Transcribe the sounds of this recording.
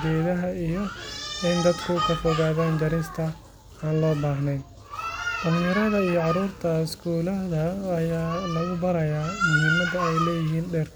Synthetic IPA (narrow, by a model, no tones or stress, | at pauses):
ɾɛːðɐɦɐijɔɪnd̪ɐd̪kʰʊkʰɐfɔɣaːðaːnd͡ʒ̪ɐɾɪst̪ʰɐ | aːnlɔːbaːɦnɛj | d̪̥ɐljɐɾɐðɐijɔʕɑɾuːrt̪ʰɐɪskʰuːlɐðɐːjaːlɐɣʊbɐɾɐjaːmʊɦiːmɐd̪ɐɛjlɛːjɪɦiːnɖɛːr